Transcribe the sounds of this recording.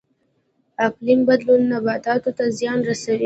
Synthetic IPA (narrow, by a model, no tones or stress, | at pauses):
aqlimbad̪lunːabat̪ɑt̪ot̪azjɑnɾasawi